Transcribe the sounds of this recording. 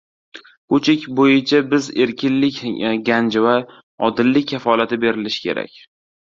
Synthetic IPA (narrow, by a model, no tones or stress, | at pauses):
kot͡ʃʰɪkʲbojɪt͡ʃʰabɪze̞ɾkʲʰɪnlɪkʲɡʲand͡ʒɪva | ɒ̰d̪ɪlːɪk̚ʲʰːafɒlat̪ɪbe̞ɾɪlɪʃɪ̥kʲʰe̞̰ɾa̰kʲ